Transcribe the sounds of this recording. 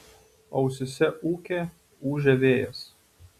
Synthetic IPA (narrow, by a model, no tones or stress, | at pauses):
ɒʊsʲʊsʲɛʔuːkʲeː | uːʒʲɛʋʲeːjɛ̰s